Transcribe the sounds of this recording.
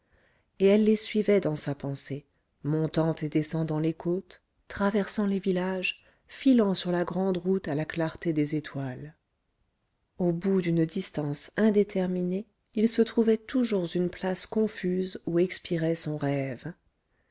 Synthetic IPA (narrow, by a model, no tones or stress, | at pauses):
eɛlːesɥivɛd̪ɑ̃sapɑ̃se | mɔ̃t̪ɑ̃t̪ed̪esɑ̃d̪ɑ̃lekot̪ː | χavɛʁsɑ̃levilaʒ | filɑ̃syʁlaɡʁɑ̃d̪ʁut̪alaklaʁt̪ed̪ezet̪wal | obud̪ynd̪ist̪ɑ̃sɛ̃d̪et̪ʰɛʁmine | ilsət̪χuvɛt̪ʰuʒuʁzynplaskɔ̃fyzuɛkspiʁɛsɔ̃ʁɛv